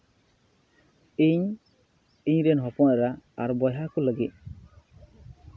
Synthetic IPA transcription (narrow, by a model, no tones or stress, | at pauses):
iɲ | iɲɾɛnɦɔpɔnɾaːɾbɔjɦakuləɡit̚